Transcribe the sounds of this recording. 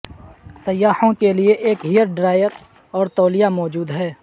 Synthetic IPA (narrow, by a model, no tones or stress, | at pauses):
sɐjːaːhõkelieʔeːkɦijəɾɖɾaːɪjəɾ | ɔːɾt̪oːlijamɔːd͡ʒuːd̪ɦɛː